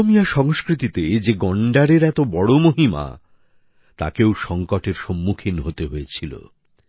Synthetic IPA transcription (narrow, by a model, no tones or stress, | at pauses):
omijaʃɔŋskɾit̪it̪ed͡ʑeɡɔɳɖaɾeɾɛt̪obɔɽomoɦima̰ | t̪a̰kewʃɔŋkoʈeɾʃɔmːukʰinɦot̪eɦoet͡ɕʰilo̰